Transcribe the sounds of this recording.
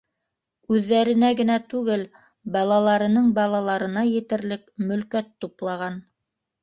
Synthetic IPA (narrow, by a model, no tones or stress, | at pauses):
ʉðːæɾɘ̆næɡɘ̆næt̪ʉɡɘl | bɑlˠɑlˠɑɾɤ̆nɤɴbɑlˠɑlˠɑɾɤ̆nɑjɘ̆t̪ɘ̆ɾlɘkmɵ̆lkæt̪ːuplˠɑʁɑn